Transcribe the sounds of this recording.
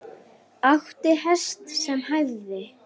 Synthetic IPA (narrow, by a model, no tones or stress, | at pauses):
axt̪ɪhɛst̪sɛmɦajððɪ